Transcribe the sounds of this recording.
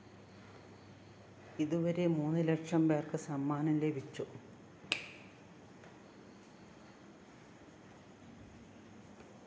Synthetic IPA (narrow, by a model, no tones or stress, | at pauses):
iðuʋɐɾe̞muːnːɨlekʂɐmbeːrkɨsɐmːaːnɐlebʱit͡ɕːu